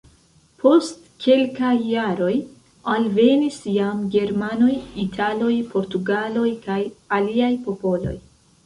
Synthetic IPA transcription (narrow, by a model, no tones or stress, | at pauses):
pʰo̞st | kʰe̞lkajːaɾo̞j | alve̞nisjamɡe̞ɾmano̞jitʰalo̞jpʰo̞ɾtuɡalo̞jkajaliajpo̞po̞lo̞̰j